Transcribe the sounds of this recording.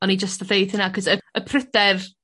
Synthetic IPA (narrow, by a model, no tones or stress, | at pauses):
ɔnid͡ʒəstəðejθɪnakʰɔzəəpʰrədɛr